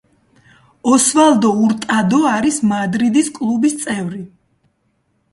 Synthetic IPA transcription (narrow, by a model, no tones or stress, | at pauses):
ɔsvalˠd̪ɔuɾt̪ʼad̪ɔaɾismad̪ɾid̪iskʼlˠubist̪sʼɛvɾi